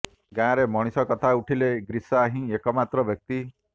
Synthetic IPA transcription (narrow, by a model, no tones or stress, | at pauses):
ɡãɾemɔɽ̃isɔkɔt̪ʰauʈʰileɡɾisɔaɦĩekɔmat̪ɾɔbjɔk̚t̪i